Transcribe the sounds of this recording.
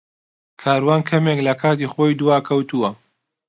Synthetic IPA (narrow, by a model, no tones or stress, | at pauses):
kʰaːɾwaːnkʰɐmeklɐkʰaːt̪iːχoːjd̪uwaːkʰɐwt̪uwɐ